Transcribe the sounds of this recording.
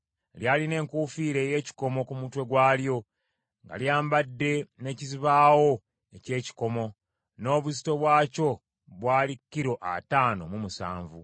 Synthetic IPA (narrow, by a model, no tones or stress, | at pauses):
ljaːline̞ːŋkuːfiːɾe̞ːje̞ːci̥ko̞mo̞kumutwe̞ɡwaːljo̞ | ŋɡa̰ljaːmbadːe̞ne̞ːciziβaːwo̞ | ece̞ːci̥ko̞mo̞ | no̞ːβusi̥to̞βwaːco̞ | βwaːlikːiɾo̞ʔa̰taːno̞̰mumusa̰ːɱvṵ